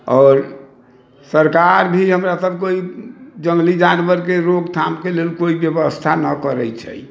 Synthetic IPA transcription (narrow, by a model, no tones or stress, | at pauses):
ɔːɾ | səɾkaɾbʱiɦəmɾasəb̚ʱkoid͡ʒə̃ŋɡlid͡ʒanwəɾkeɾoɡt̪ʰamkelelkoibjəbəst̪ʰanəkəɾɛ̰t͡ʃʰɛ̰